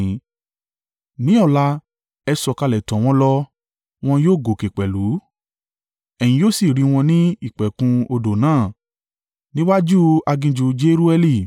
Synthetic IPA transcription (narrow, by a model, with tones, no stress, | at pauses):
nĩ˨˦ɔ˦˨la˧ | ɛ˧sɔ˧ka˧lɛ˨tɔ̃˨w̃ɔ̃˧˦lɔ˧ | w̃ɔ̃˧joː˦˨ɡo˨ke˨k͡pɛ˨lu˨˦ | ɛ˨j̃ĩ˧joː˦˨si˨ɾi˧w̃ɔ̃˧nĩ˦i˦˨k͡pɛ˨kũ˧o˧do˨nãː˦˨ | nĩ˦wa˦d͡ʒu˦a˧ɡĩ˧d͡ʒu˨˧d͡ʒe˦ɾu˦ɛ˧li˦˨